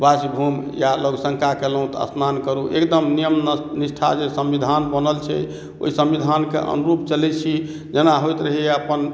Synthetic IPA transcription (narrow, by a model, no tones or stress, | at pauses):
basibʱumjaloɡsəŋkakelɦũt̪ə̰snankəɾuʔḛkd̪əmnijəmnisʈʰa̰d͡ʒesəmʋid̪ʱanbənəlt͡ʃʰɛ̰ | o̰isəmbid̪ʱankḛʔə̰nuɾup̚t͡ʃəlɛt͡ʃʰi | d͡ʒenaɦojt̪ɾəɦiəpən